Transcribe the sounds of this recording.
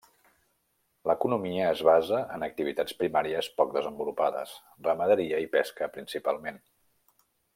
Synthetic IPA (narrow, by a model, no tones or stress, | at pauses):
ləkunumiəːzβ̞azəʔənək̚t̪iβit̪at͡spɾimaɾiəspɔk̚d̪əzəmbulupaðə̰s | rəməðəɾiəipɛskəpɾinsipa̰lˠmen